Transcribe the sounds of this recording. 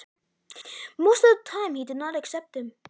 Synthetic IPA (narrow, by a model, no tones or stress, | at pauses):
moʊstʌvðətʰãɪ̃mhidɨdⁿnəɾɨksɛp̚t̚hɨ̃m